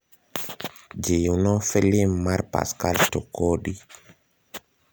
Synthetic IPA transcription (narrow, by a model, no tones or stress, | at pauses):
d͡ʒejunɔfɛlimaɾpa̰skaltɔkɔɗi